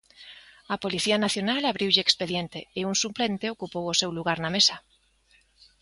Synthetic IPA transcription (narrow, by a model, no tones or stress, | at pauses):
apoliθiɐnaθjonalaβɾiwʎɪekspeðjent̪eːuŋsuplent̪eokupowosewluɣaɾnamesɐ